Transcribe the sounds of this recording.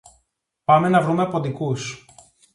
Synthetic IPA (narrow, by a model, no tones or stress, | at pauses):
pɐme̞nɐvɾumeɐpo̞d̪ikus